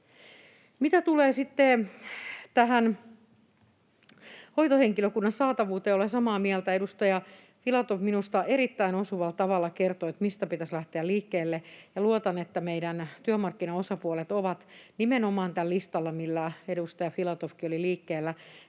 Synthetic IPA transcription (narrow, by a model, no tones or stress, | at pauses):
mit̪æt̪uleːsit̪ːe | t̪æɦæn | hoit̪oheŋkiløkunːɑnsɑːt̪ɑʋuːt̪eːolesɑmɑːmiɛlt̪æedust̪ɑjɑ | filɑt̪ofminust̪ɑʔeɾit̪ːæinosuʋɑlt̪ɑʋɑlːɑkert̪oet̪mist̪æpit̪æslæht̪eæliːkːeːlːejɑluot̪ɑnet̪ːæmeidænt̪yømɑrkːinɑosɑpuolet̪oʋɑt̪nimenomɑːnt̪ællist̪ɑlːɑmilːæedust̪ɑjɑfilɑt̪ofkioliliːkːeːlːæ